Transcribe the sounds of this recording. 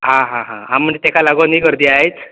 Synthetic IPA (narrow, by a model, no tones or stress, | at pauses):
ɦãɦãɦãɦãm̤ːəɳd͡zet̪ekalaɡɔnikəɾd̪iaɦet͡s